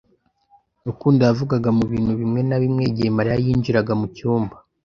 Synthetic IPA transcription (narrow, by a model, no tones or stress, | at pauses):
ukuːndiavuɡaɡamuβiːn̥huβimŋe̞naβimŋe̞ɟemaɾijajiːnd͡ʒiɾaɡamucuːmba